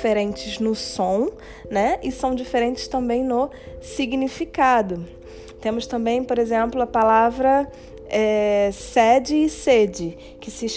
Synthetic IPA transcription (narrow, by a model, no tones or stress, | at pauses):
feɾẽnt͡ʃɪznʊsõw̃ | nɛɪsɐ̃w̃d͡ʒifeɾẽnt͡ʃɪ̥st̪ɐ̃mbẽj̃nʊ | siɡnifikad̪ʊ | t̪ẽmʊst̪ɐ̃mbẽj̃poɾezẽmplʊɐpalavɾɐ | ɛsɛd͡ʒɪːsed͡ʒɪ | kɪsɪ